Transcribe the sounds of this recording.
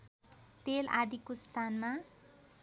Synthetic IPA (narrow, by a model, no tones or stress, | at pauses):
t̪elʔad̪ikost̪ʰanma